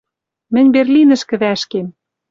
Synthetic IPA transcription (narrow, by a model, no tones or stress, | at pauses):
mɘ̆nʲberlʲinɘ̆ʃkɘ̆βæʃkem